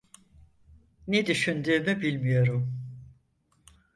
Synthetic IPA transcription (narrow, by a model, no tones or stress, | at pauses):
ned̪yʃynd̪yːmybilʲmijo̞ɾum